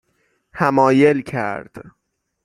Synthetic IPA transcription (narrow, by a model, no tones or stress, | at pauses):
hæmɒːje̞lcʰæ̰ɾd̪̥